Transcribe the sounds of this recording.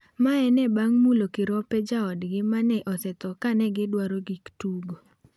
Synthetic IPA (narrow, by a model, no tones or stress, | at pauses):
maɛnɛbaŋmulokɪɾɔpɛd͡ʒaɔdɡɪmanɛʔɔsɛt̪ɔkanɛɡɪdwaɾoɡiktuɡo